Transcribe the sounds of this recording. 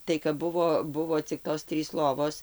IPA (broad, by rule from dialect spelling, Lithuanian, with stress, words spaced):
tɐɪ kɐp ˈbʊʋoː ˈbʊʋoː t͡sʲɪk ˈtoːs ˈtʲrʲiːs ˈlˠoːʋoːs